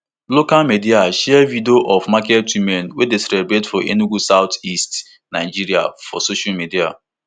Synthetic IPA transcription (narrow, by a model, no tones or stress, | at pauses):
lokalmediaʃɛɛvideoʔɔfmaketwimɛnwedeselebɾetfɔʔḛnuɡusaʊtist | naɪd͡ʒiɾia̰fɔ̰soʃalmedia̰